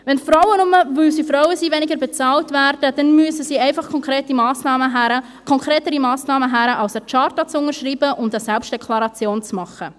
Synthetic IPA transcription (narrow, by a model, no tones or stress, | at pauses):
vɛnfɾawənʊməvʏlsifɾawəsiːvɛnɪɡəɾbet͡sɑːltvæːɾd̥əd̥ɛnmyəsəsiːɛɪfɑχkʰɔŋkɾeːtimɑːsnɑːməɦæɾə | kʰɔŋkɾeːtəɾimɑːsnɑːməɦæɾəʔɑlsət͡ʃɑːɾtɑt͡sʊŋəɾʃriːbəʔʊndəsɛlpʃtd̥ɛkʰlɑɾɑt͡sjoːnt͡smɑχə